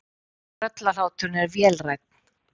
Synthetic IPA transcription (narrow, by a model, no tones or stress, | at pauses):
œt̪lal̥aːwt̪ʏɾnɛɾvjɛːlrajk̪̚n̥